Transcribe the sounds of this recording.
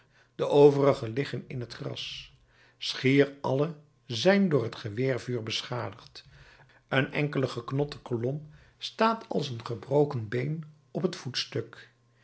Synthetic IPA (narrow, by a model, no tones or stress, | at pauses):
d̥əʔowvərəχəlɪχənɪnɦətχrɑ̰s | sχɪːɹɑlə | zɛjndʊːɹɦətχəʋɪːɹvyːɹbəsχaːdəχt | ənɛ̰ŋkələχəknɔtə̥kolɔm | staːtʰɑ̰lˠsənχəbrowkənbejn | ɔpɦətfutstɵk